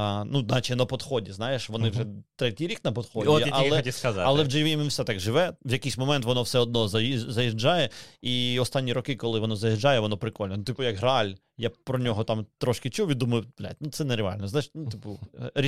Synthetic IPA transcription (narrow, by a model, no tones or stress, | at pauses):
nuznɑt͡ʃɪnɐpɔd̪xɔdʲiznɑjeʃʋɔnɪʋʒɛt̪ɾɛtʲijɾʲiknɐpɔd̪xɔdʲiɐlˠɛt̪ʲiskɐzɑɐlˠɛwd͡ʒɐjʋʲiminwsɛt̪ɑɡʒɪʋɛʋjɐkɪjsʲmɔmɛnt̪ʋɔnɔwsɛɔd̪̚nɔzɐizɐjiʒd͡ʒɑjɛiɔst̪ɑnʲːiɾɔkɪkɔlˠɪʋɔnɔzɐjɪʒd͡ʒɑjɛʋɔnɔpɾɪkɔlʲnɔnut̪ɪpʊjɐkɦɾɑlʲ | japɾɔnʲɔɦɔt̪ɑmt̪ɾɔʃkɪt͡ʃuwʲʋʲid̪umɐjʊplʲa̰tʲnut̪sɛnɛɾeɑ̰lʲnɔznjɪnut̪ɪpʊɾʲ